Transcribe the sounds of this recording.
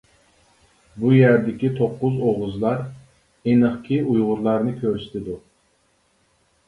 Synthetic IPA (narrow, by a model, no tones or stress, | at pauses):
bujæɾd̪ɪkʲit̪ʰoqːʊzoʁʊzlˠɑɾ | enəχkʲʰiujʁʊɾlˠɑɾnɨkʲʰøɾsɪ̥t̪ʰɪd̪u